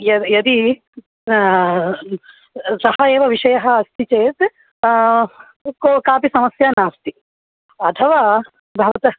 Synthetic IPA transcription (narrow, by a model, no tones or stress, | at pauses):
jɐjɐd̪i | sɐɦɐeːʋɐʋiʃɐjɐɦɐ̆ɐst̪ʰit͡ʃeːt̪ | kokaːpisɐmɐsjaːnaːst̪i | ɐt̪ʰɐʋaː | bʱɐʋɐt̪ɐ